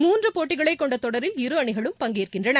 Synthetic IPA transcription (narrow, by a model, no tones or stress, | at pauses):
muːndrɯpoːʈːɪɣɐɭɐɪkːɔɳɖɐt̪ːɔɽɐɾɪlɪɾɯɐɳɪɣɐɭɯmpɐŋɡɪːɾrkɪndrɐnɐ